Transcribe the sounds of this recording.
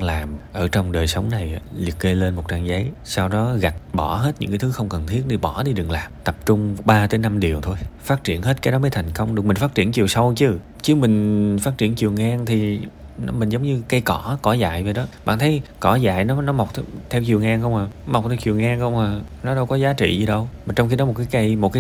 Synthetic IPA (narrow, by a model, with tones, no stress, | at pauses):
laː˨˩mʔəː˧˩t͡ɕɔ˧wŋ͡mɗəː˨˩jsə˨˦wŋ͡mna˨˩jli˨˩k̚ɣə˧le˧nmo˨˩t̚t͡ɕaː˧ŋzə˨˦jsa˧wɗɔ˨˦ɣa˨˩t̟̚ɓɔ˧˩ɦe˦˥t̚ɲɨ̰˧˥ŋkaː˨˦jt̪ʰɨ˨˦xə˧wŋ͡mkə˨˩nt̪ʰi˦˥ət̚ɗi˧˩ɓɔ˧˩ɗi˧ɗɨ˨˩ŋlaː˨˩mt̪ə˨˩p̚t͡ɕʊ˧ŋ͡mɓaː˧t̪əː˨˦na˧mɗi˨˩əwt̪ʰo˧jfaː˦˥t̚t͡ɕi˧˩ənhe˦˥t̚kaː˨˦jɗɔ˨˦məː˨˦jt̪ʰa˨˩jŋ̟kə˧wŋ͡mɗɨ˨˩kmi̟˨˩faː˦˥t̚t͡ɕi˧˩ənt͡ɕi˨˩əwsə˧wt͡ɕɨ˧ | t͡ɕiɨ˨˦əmï˨˩ŋ̟faː˦˥t̚t͡ɕi˧˩ənt͡ɕi˨˩əwŋaː˧ŋt̪ʰi˨˩ | nɔ˨˦mï˨˩ŋ̟zə˨˦wŋ͡mɲɨ˧kə˧jkɔ˧˩˦kɔ˧˩za̰ː˧˨jvə̰˨˩jɗɔ˨˦ɓa̰ː˧˨nt̪ʰə˨˦jkɔ˧˩za̰ː˧˨jnɔ˨˦nɔ˨˦ma˨˩wk͡p̚t̪ʰt̪ʰɛ˧wt͡ɕi˨˩əŋaː˧ŋxə˧wŋ͡maː˨˩˦ma˨˩k͡p̚t̪ʰə˧˦wt͡ɕi˨˩ŋaː˧ŋxə˧wŋ͡maː˨˩nɔ˨˦ɗə˧wkɔ˨˦zaː˨˦t͡ɕḭ˧˨zi˨˩ɗə˧wmaː˨˩t͡ɕɔ˧wŋ͡mxi˧ɗɔ˨˦m̚˨˩kaː˨˦jkə˧jmo˨˩t̚kː